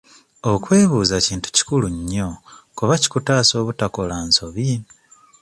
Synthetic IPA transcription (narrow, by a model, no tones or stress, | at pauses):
okwe̞ːβuːzaciːntu̥ci̥kuluɲːokuβaci̥kutaːso̞ːβutako̞lanso̞βi